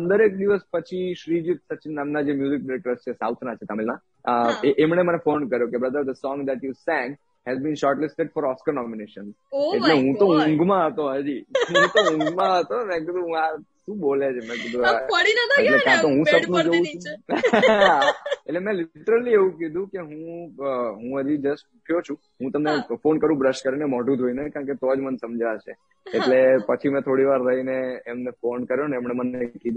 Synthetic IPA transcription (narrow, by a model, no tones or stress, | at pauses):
ənd̪əɾek̚d̪iʋəspət͡ʃʰiʃɾid͡ʒit̪̚sət͡ʃinnamnad͡ʒemjuzɪk̚ɖɪɾek̚ʈəɾst͡ʃʰesawt̪ʰnat͡ʃʰet̪amilmã | əeʔːmənemənefonkəɾjokebɾəd̪əɾd̪əsɔ̃ŋɡd̪ɛʈjusɛ̃ŋɡ | hɛzbĩnʃɔɾʈlɪsʈeɖfɔɾɔskəɾnɔmineʃə̃nz | eʈleɦũt̪oũŋɡmãɦət̪oɦəd͡ʒiɦɦũt̪oũŋɡmãɦət̪omɛ̃k̬id̪ũɦũaʃũːbolet͡ʃʰemɛ̃kid̪ʱũaɽinaeʈleãt̪oɦũsəpnũd͡ʒoʋũt͡ʃʰũ | eʈlemɛ̃lɪʈəɾəlieʋũkid̪ʱũkeɦũ | ɦũəd͡ʒid͡ʒəsʈuʈʰjot͡ʃʰũ | ɦũt̪əmnefonkəɾʋũbɾəʃkəɾinemɔɖũt̪ʰoinekãɳket̪oad͡ʒmənsəmd͡ʒaʃʰe | eʈlepət͡ʃʰimɛ̃t̪ʰoɽiʋaɾɾəɦineːmnefonkəɾjoneːmnemənekid̪ʱũ